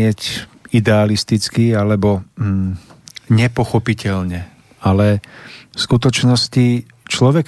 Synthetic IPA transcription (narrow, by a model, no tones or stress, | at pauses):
ɪɛc | id̪ɛalist̪it͡skialɛbɔ | ɲɛpɔxɔpicɛʎɲɛ | alɛfskut̪ɔt͡ʃnɔsci | t͡ʃlɔʋɛk